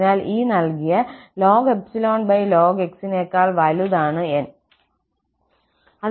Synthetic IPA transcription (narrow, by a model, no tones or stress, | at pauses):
naːlʔiːnɐlkijɐloːɡepsilo̞ːnbɐjloːɡeksineːkːaːlʋɐluðaːɳɨen | ɐ